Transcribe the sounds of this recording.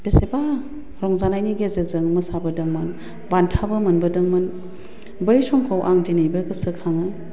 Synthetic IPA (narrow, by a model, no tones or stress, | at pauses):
b̥eseba | ɾɔŋzanajniɡezezɯŋmɐsabɯdɯŋmɯn | bantʰabɯmɐnbɯdɯŋmɯn | bɯjsɔŋkʰawʔaŋdinɯjbɯkɯsɯkʰaŋɯ